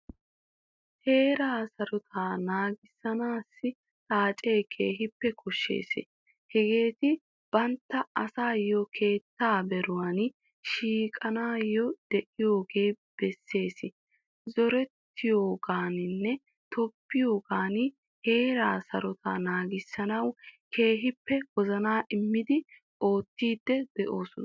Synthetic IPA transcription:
he̞ːɾaːsɐɾɔt̪ʰaːnaːɡɪsːɐnaːsːɪ | tʼaːt͡ʃʼe̞ːkʰeːɦɪpːɛkʰʊʃːḛːsɪ̰ | hɛɡe̞ːt̪ɪ | b̥ɐnt̪ːɐɐsaːjɔkʰe̞ːt̪ːaːbɛɾʊwaːn | ʃiːkʼɐnaːjːɔd̪̥ɛʔɪjo̞ːɡe̞ː | b̥ɛsːe̞ːsɪ | zɔɾɛt̪ːɪjoːɡaːnɪnːɛ | t̪ɔpːɪjoːɡaːn | he̞ːɾaːsɐɾɔt̪anaːɡɪsːɐnɐwkʰe̞ːɦɪpːɛwɔzɐnaːʔɪmːɪd̪ɪ | o̞ːt̪ːiːd̪ːɛd̪ɛʔo̞ːsʊn

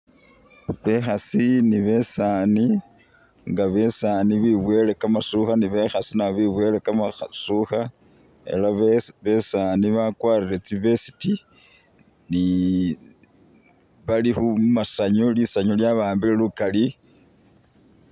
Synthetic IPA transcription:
βe̞xasiniβe̞sani | ŋɡaβe̞saːniβiβwe̞le̞kamasuxaniβe̞xasinaβiβwe̞ːlekamaxasuxa | e̞̰laβe̞saniβakwaːɾiɾet͡siβe̞si̥ti | ni | βalixumasaɲolisaɲoljaβaːmbilelukali

